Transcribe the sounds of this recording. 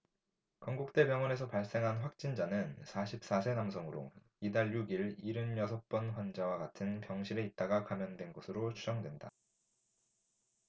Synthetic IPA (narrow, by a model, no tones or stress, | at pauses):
kʌŋɡuk̚t͈e̞pjʌŋʌne̞s̬ʰʌpaɭs͈e̞ŋɦanɸwak̚t͡ɕ͈ind͡ʑanɯnsʰaɕʰip̚s͈asʰe̞namsʰʌŋɯɾo̰ | idaɭjuɡiɭiɾɯnjʌsʰʌp͈ʌnɸwand͡ʑawaɡatʰɯnpjʌŋɕʰiɾe̞it̚t͈aɡakamjʌndwe̞nɡʌsʰɯɾot͡ɕʰud͡ʑʌŋdwenda̰